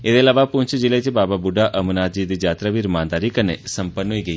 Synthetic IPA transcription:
ed̪elaʋapũɲt͡ʃʰd͡ʒilajt͡ʃʰebababuɖaʔəmnad͡ʒid̪id͡ʒat̪ɾəʋiɾmãnd̪aɾikənesəmpənːɦoiɡəi

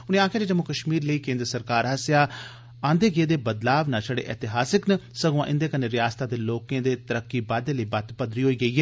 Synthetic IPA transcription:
ʊnẽːaːkʰẽːd͡ʒeːd͡ʒəmːʊkəʃmiːɾləiːkẽːnd̪ɾəsəɾkaːɾɦəsjaː | ãːnd̪eːɡɪeːd̪eːbəd̪laːʋnãːt͡ʃəɽḛːʔɛːt̪ɪɦaːsɪknəsəɡʋãːʔɪnd̪eːkənːeːɾɪjaːst̪aːd̪eːloːkẽːd̪eːt̪əɾəkːiːbaːd̪eːləiːbat̪pəd̪ɾiːɦoːiːɡəiːɦɛː

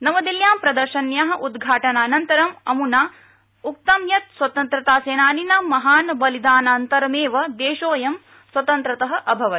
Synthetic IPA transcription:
nɐmɐd̪iljaːmpɾɐd̪ɐɾʃɐnjaːɦɐ̆ʔud̪ɡʱaːʈɐnaːnɐnt̪ɐɾɐmɐmunaː | uk̚t̪ɐmjɐt̪swɐt̪ɐnt̪ɾɐt̪aːseːnaːninamɐɦaːnbɐlid̪aːnaːnt̪ɐɾɐmeːʋɐd̪eːʃoːjɐm | swɐt̪ɐnt̪ɾɐt̪ɐɦɐ̆ʔɐbʱɐʋɐ

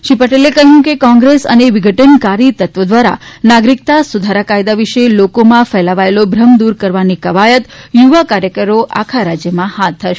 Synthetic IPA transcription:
ʃipəʈelekəɦjũkekɔ̃ŋɡɾesə̰neʋɪɡʱəʈənkaɾit̪ət̪ʋəd̪ʋaɾa̰naɡɾik̚t̪asud̪ʱaɾakajd̪aʋiʃelokomãfɛlaʋaelobʱɾəmd̪uɾkəɾʋanikəʋajət̪juʋakaɾjəkəɾoʔa̰kʰaɾad͡ʒjəmãhat̪̚ːəʃe̥

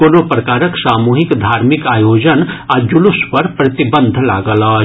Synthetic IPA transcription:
onoːpɾɐkaːɾəksaːmuːɦɪkd̪ʱaːɾmɪkaːjoːd͡ʒənad͡ʒʊlʊspɐɾpɾɐt̪ɪbə̃nd̪ʱla̰ːɡəla

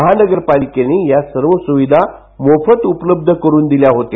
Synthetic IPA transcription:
əɦanəɡəɾpalikeneːjasəɾʋəsuʋid̪ʱa | mofət̪upləb̚d̪ʱəkəɾuːnd̪iljaɦot̪e

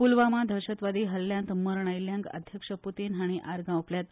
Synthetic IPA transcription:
pulʋamad̪ʱəɾɕət̪ʋad̪iːɦəlːjãnt̪məɾɳ̃ajljãŋkə̰d̪ʱjəkʂəput̪iːnɦaɽ̃iʔaɾɡãupljat̪

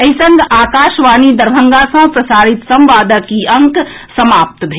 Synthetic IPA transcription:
ɐɦɪsə̃ŋɡaːkaːʃʋaːnid̪ɐɾbʱə̃ŋɡasɐ̃pɾɐsaːɾɪt̪sɐ̃mʋaːd̪əkiɐ̃ŋk | sɐmaːp̚t̪bʱeː

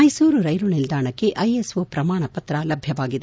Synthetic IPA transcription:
ɐjsuːɾuɾɐjlunild̪aːɳɐkːe̞ʔɐjesoːpɾɐmaːɳɐpɐt̪ɾɐlɐbʱjɐʋaːɡid̪e

